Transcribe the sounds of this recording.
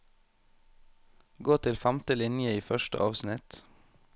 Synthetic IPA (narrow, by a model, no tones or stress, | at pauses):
ɡoːt̪ʰɪlfæmt̪əlɪnjəiːfœʃʈə̰ʔɑːʋsnɪt̪